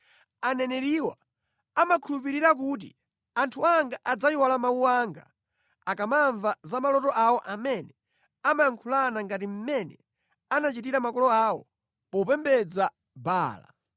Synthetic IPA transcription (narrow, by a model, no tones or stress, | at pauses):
anɛnɛɾiwa | amakʰulupiɾiɾak̬ut̬ḭ | antʰuaŋɡaʔad͡zajiwalamauwaŋɡa̰ | akamaɱvazamalɔtɔʔawɔʔamɛnɛ | amajaŋkʰulanaŋɡatim̩mɛnɛ | anat͡ʃitiɾamakɔlɔawɔ̰ | pɔupɛmbɛd͡za | baːla̰